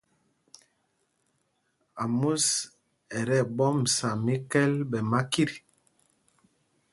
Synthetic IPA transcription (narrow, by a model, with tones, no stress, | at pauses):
a˨mu˦s | ɛ˨ɾɛ˦˨bɔ˦m̩˨sa˨mi˦kɛ˦lbɛ˨ma˦ki˦ɾi˨